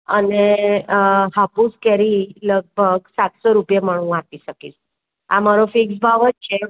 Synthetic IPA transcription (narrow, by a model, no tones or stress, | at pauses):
əne | hapuskɛɾiləɡ̚bʱəɡsat̪sɔɾupjeməɽ̃ũat̪iɕəkis | a̰maɾofiksbʱaʋət̚t͡ʃʰe